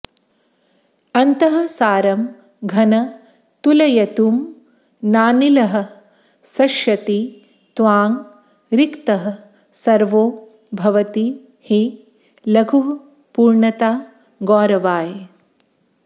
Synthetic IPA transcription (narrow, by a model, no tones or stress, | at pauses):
ɐnt̪ɐɦɐ̆saːɾɐm | ɡʱɐnɐ | t̪ulɐjɐt̪uːm | naːnilɐɦɐ̆ | sɐʃjɐt̪i | t̪ʋaːŋ | ɾikt̪ɐɦɐ̆ | sɐɾʋoː | bʱɐʋɐt̪i | hi | lɐɡʱuɦɐ | puːɾɳɐt̪aː | ɡɔːɾɐʋaːj